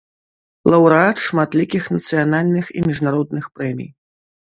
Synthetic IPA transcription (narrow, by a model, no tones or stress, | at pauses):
lˠɐwɾɨat̪ʂmat̪lʲikʲixnɐt̪sɨjanalʲnɨxḭmʲiʐnaɾɔd̪nɨxpɾɛmʲḭj